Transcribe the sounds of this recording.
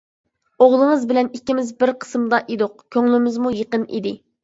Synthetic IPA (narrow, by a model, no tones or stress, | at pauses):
oʁlˠəŋəzbɪlɛnikʲːimɪzbɪɾqʰə̥smd̪ɑʔed̪oq̚kʲʰøŋlymɪzmujəqənʔḭd̪ɪ